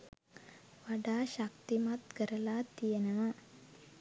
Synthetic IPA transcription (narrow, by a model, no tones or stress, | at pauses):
ʋaɖaːʃak̚t̪imat̪kəɾəlaːt̪ijenɐʋa